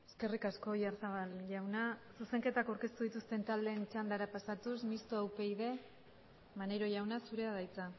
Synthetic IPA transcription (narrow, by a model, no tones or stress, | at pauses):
e̞ske̞rikasko̞jaɾsaβalʝawnasuse̞ŋke̞t̪akawɾke̞st̪uð̞it̪ust̪e̞nt̪ald̪e̞ːnit͡ʃand̪aɾapasat̪usmist̪oawpe̞iðe̞ | maneɾo̞ʝawnasuɾe̞aðajt͡sa